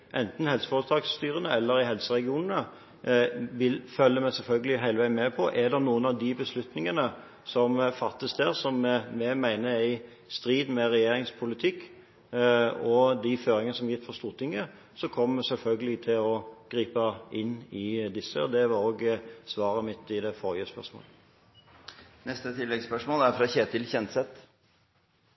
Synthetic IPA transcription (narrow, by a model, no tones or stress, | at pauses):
ʔɛnt̪n̩hɛlsə̥fɔːɾət̪ʰɑɡst̪yːɾənəɛlːəɾɪɦɛlsəɾɛɡɪuːnənə | ʋɪlfœlːəmæsɛlfœlɡəlɪɦæɪləʋæɪnmɛpʰɔʔɛd̪ɛnuːənɑʋd̪ɪbəslʉt̪nɪŋənə | sɔmfɑt̪ːəsd̪ɛʁsɔmmɛmæɪnəæɪ | st̪ɾiːd̪mɛʁɛjeːɾɪŋspʰʊlɪt̪ʰɪkː | ɔd̪ɪføːɾɪŋənəsɔmjɪt̪ːfɔʁst̪uːʁt̪ʰɪŋːə | sɔkʰɔmːmɛsɛlfœlɡəlɪt̪ʰɪlɔɡ̥ʁiːpəɪnːɪd̪ɪsːə̰ɔd̪ɛʋɑɾoːɡsʋɑːɾəmɪt̪ːɪd̪ɛfɔʁjəspœ̰ʁʂmo̰ːlə | nɛst̪ət̪ʰɪlːɛɡspœʂmoːlæɾfɾɑçeːt̪ɪlçɛnt̪sɛt̪